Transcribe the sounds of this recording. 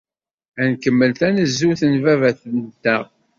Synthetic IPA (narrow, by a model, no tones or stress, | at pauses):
ænkəmːəlt̪ænəzːuθənvævæθənt̪ːæʁ